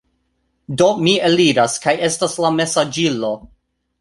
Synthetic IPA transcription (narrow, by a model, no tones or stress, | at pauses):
do̞mieliɾaskaje̞staslame̞sad͡ʒilo̞